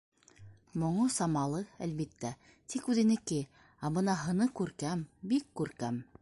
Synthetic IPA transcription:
mŏɴosɑmɑlˠɤælβit̪ːæ | t̪ʰikʉðɘ̆nɘ̆kɘ | æbɤnɑɦɤ̆nɤkʉɾkæmbikːʉɾkæm

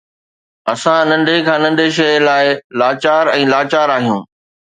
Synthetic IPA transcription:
ɐsãnɐ̃ɳɖʱekʰãːnɐ̃ɳɖʱeʃ̬ɐlaːɪlaːt͡ɕaːɾɛ̃ːlaːt͡ɕaːɾaːɦijũː

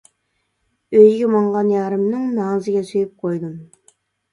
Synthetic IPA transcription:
øjɡʲɪmɑɴʁɑnjɑɾɨmnɨŋnɑŋzɪɡʲɛsyjɪp̚qʰojd̪ɨm

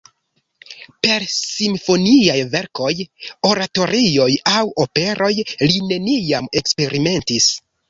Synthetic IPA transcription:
pe̞ɾsimfo̞niajve̞ɾko̞jo̞ɾato̞ɾʔio̞jawo̞pe̞ɾʔo̞jline̞nijame̞kspe̞ɾime̞ntis

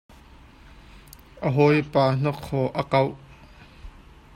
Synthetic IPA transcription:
ʔəɦɔjpaːn̥ɔkʰːɔʔəkɐw

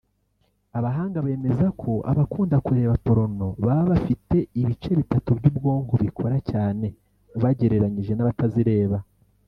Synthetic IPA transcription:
aβaɦaːŋɡaβe̞ːme̞zakʰo̞ʔa̰βakuːndakuɾe̞ːβapo̞ɾo̞no̞βaβaβafite̞iβit͡ʃe̞βitatubɟubɡo̞ːŋɡoβikʰo̞ɾacaːne̞ | βaɟe̞ɾe̞ɾaɲiʒe̞naβataziɾe̞ːβa

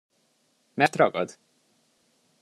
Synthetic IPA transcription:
mɛrt̪rɒɡɒ̰d̪

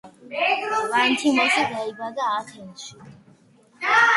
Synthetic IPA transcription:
vant̪ʰimasaɡ̪aibad̪aːt̪ʰɛnʃi̥

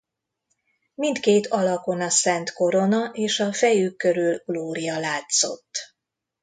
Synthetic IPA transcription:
mint̪keːt̪ʰɒlɒko̞nɒsɛnt̪ko̞ɾo̞nɒʔeːʃɒfɛjykːø̞ɾylɡ̥loːɾijɒlaːt̪so̞̰t̪ː

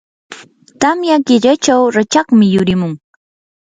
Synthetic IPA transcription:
t̪amjaɢɪʎat͡ʃawɾat͡ʃɑχmɪjʊɾɪmʊŋ

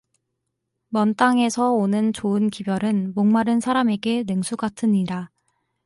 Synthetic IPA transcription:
mʌnt͈aŋe̞sʰʌonɯnt͡ɕoɯnkibjʌɾɯnmoŋmaɾɯnsʰaɾame̞ɡe̞neŋsʰuɡatʰɯɲiɾa

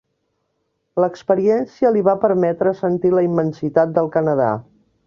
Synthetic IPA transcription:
ləkspəɾiɛnsiəliβapəɾmɛt̪ɾəsənt̪iləimːənsit̪at̪̚d̪əlˠkənəða̰

